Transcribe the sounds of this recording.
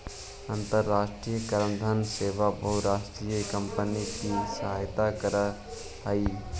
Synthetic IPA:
ənt̪əɾːaːʃʈɾijəkəɾəmd̪ʱənseːʋabəɦuɾaːsʈɾijəkəmpənikisəɦaːjt̪akəɾə | ɦəi

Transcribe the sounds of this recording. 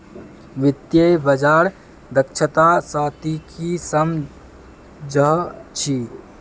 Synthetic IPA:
ʋɪt̪jəbəd͡ʒaːɾ | d̪əkt͡ʃʰət̪asaːt̪ikʰisəm | d͡ʒəɦt͡ʃʰi

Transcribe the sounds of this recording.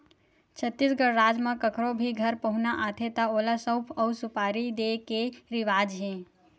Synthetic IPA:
t͡ʃʰət̪ːisɡəɽɾaːd͡ʒmãkəkʰɾobʱiɡʱəɾpəɦʊnaʔaːt̪ʰet̪aoːlasəwpʰəwsʊpaːɾid̪ekeɾɪʋaːd͡ʒɦẽ

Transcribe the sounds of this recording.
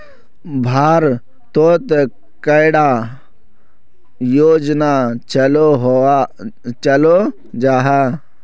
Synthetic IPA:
bʱaːɾ | t̪oːt̪ | kəɪɽa | joːd͡ʒnat͡ʃəloɦ | t͡ʃəlo | d͡ʒaːɦɛː

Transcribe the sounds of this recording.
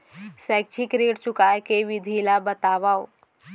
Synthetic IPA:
sɛːk̚t͡ʃʰikɾeːʈt͡ʃʊkaːekeʋɪd̪ʱilabət̪aːʋao

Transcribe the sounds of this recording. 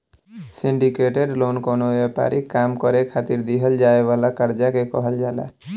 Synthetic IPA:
siɳɖikeʈeɖlonkonoʋepa̰ɾʔikːamkɔɾekʰat̪iɾd̪iɦəld͡ʒaeʋalakəɾd͡ʒakekɔɦəld͡ʒaːla̰

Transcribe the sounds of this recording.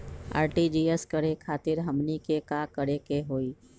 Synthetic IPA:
a̰ːɾʈid͡ʒiːeskəɽekʰaːt̪ɪɾɦəmnikekaːkəɽekeɦoːiː

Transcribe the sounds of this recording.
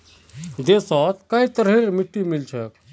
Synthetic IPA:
d̪esɔt̪kait̪əɾɦeɾmiʈːimilt͡ʃʰək

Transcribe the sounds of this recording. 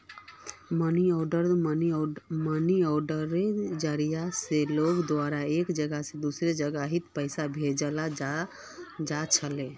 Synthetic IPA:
məniɔɖəɾməniməniɔɖəɾed͡ʒaɾijaseloɡd̪waɾaekd͡ʒəɡased̪usɾed͡ʒəɡaɦit̪pəɪsabʱed͡ʒəla | d͡ʒat͡ʃʰəle

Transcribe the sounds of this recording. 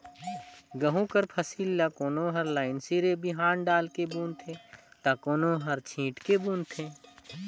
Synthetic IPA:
ɡəɦũkəɾpʰəsiːlːakoːnoɦəɾlaːɪnsiɾebiɦaːnɖaːlkebuːnt̪ʰet̪akoːnoɦəɾt͡ʃʰĩːʈkebuːnt̪ʰeː

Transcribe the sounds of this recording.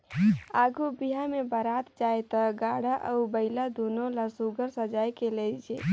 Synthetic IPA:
aːɡubiɦamebəɾaːt̪d͡ʒaːjt̪əɡaːɽaʔəʊbəɪlad̪uːnolasuɡəɾsəd͡ʒaːjkeled͡ʒeː

